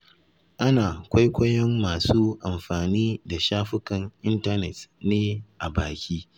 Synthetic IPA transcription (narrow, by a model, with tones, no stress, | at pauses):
ʔa˦naː˨kʷa˦jkʷɐ˦jɐ˦mːaː˨suː˦ʔa˨mɸaː˨niː˦da˨ʃaː˦ɸɪ˦kɐ˨ŋʔɪ˦nta˦nɛ˨tneː˦ʔa˨baː˨kʲiː˦